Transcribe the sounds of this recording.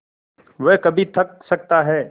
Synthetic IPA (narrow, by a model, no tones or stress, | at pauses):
ʋɛɦkɐbʱit̪ʰɐk̚sɐk̚t̪aɦɛː